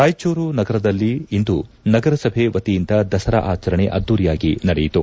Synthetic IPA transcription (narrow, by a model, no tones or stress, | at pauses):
kaːjt͡ʃuːɾunɐɡɐɾɐd̪ɐlːiːnd̪u | nɐɡɐɾɐsɐbʱeʋɐt̪ijind̪ɐd̪ɐsɐɾɐ̰ʔaːt͡ʃɐɾɐɳeʔɐd̪ːuːɾijaːɡinɐɽejit̪u